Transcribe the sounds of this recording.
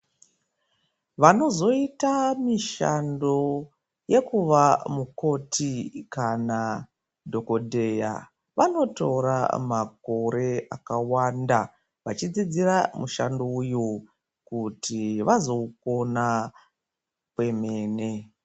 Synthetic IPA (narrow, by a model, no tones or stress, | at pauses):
ʋano̞zo̞itamiʃa̰ndo̞ | je̞kuʋamuko̞tʰikana | dʱo̞ko̞dʱe̞ja̰ | ʋano̞toɾa̰mako̞ɾe̞akawanda | ʋat͡ʃid͡zid͡ziramuʃandouju | kutʰiʋazo̞uko̞na | pwe̞me̞ːne̞